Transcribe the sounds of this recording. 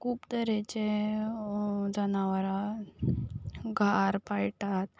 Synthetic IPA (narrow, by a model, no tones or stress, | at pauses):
kuːpt̪əɾet͡ɕe | d͡zənaʋəɾa | ɡʱaɾpajʈat̪